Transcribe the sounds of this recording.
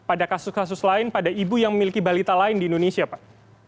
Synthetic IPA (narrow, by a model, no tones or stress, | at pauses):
padakasʊskas̬ʊslaɪnpadaibujaŋməmilikibalit̪alaɪndiːndonesiapa